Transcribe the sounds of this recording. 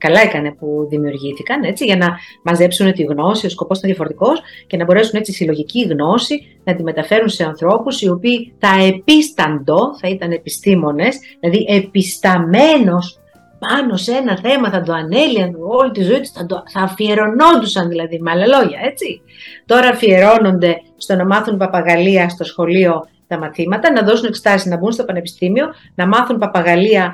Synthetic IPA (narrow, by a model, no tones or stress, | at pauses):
kɐlɐekɐne̞puðimiuɾʝiθikɐne̞t͡siʝɐnɐmɐze̞psunet̪iɣno̞sio̞skoposinðjɐfo̞ɾot̪iko̞sce̞nɐbo̞ɾe̞sunet͡sisilo̞ʝiciɣno̞si | nɐt̪ime̞t̪ɐfe̞ɾunse̞ɐnθɾo̞pusio̞piːθɐepist̪ɐnd̪o̞θɐit̪ɐnepist̪imo̞ne̞sðilɐðiʔepist̪ɐme̞no̞s | pɐno̞se̞nɐθe̞mɐθɐd̪o̞ɐne̞liɐno̞lit̪izoit̪u̥sθɐd̪oθɐfie̞ɾo̞no̞nd̪usɐnðilɐðimɐlɐlo̞ʝɐe̞t͡si | t̪o̞ɾɐfie̞ɾo̞no̞nd̪e̞ | st̪o̞nɐmɐθunpɐpɐɣɐliɐst̪o̞sxo̞lio̞ | t̪ɐmɐθimɐt̪ɐnɐðo̞sune̞kse̥t̪ɐsiznɐbunst̪o̞pɐne̞pi̥st̪imio̞ | nɐmɐθunpɐpɐɣɐliɐ